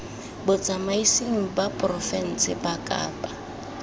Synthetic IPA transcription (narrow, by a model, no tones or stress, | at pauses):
bʊt͡sʼamaisiŋ̩bapʼrɔfɛn̩sɪbakʼa̰ːpʼa